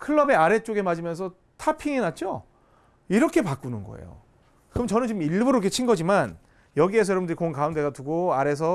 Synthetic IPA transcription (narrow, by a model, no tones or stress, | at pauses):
kʰɯɭːʌbe̞aɾe̞t͡ɕ͈oɡe̞mad͡ʑimjʌnsʰʌ | tʰapʰiŋinat̚t͡ɕ͈o | iɾʌkʰe̞pak͈unɯnɡʌ̰ḛjo̰ | kɯmʌt͡ɕʌnɯnt͡ɕimiɭbuɾoket͡ɕʰinɡʌd͡ʑiman | jʌɡie̞s̬ʰʌjʌbindɯɾikonkaunde̞ɡatuɡoaɾe̞s̬ʰʌ